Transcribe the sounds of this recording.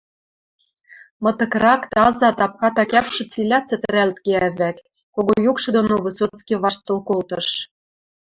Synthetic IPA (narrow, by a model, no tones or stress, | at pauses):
mɤ̆t̪ɤ̆krɑkt̪ɑzɑt̪ɑp̚kɑt̪ɑkæpʃɤ̆t͡silʲɑt͡sɘ̆t̪ɘ̆ɾælt̪keæβæk | koɣojukʃɤ̆d̪onoβɤ̆sot͡skʲiβɑʃt̪ːŏlkolt̪ɤ̆ʃ